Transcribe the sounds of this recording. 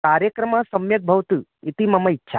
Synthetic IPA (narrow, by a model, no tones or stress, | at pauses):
kaːɾjəkɾɐmasɐmjɐk̚bʱɐʋt̪uit̪imɐmɐitːʃʰa̰